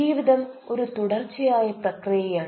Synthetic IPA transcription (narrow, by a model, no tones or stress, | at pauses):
iːʋiðɐm | o̞ɾut̪uɽɐrt͡ɕːɐjaːjɐprɐkrijɐjaː